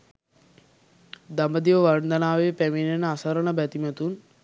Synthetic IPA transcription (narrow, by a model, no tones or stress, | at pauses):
d̪ambəd̪iʋəʋarnd̪ənaːʋepæminenəasəɾənəbæt̪imat̪un